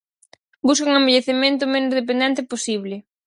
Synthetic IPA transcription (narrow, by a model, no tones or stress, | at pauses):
bus̬kauŋembeʎeθemẽnt̪̬ʊmenʊzð̞ep̬end̪ɛ̃nt̪ɪposiβ̞lɪ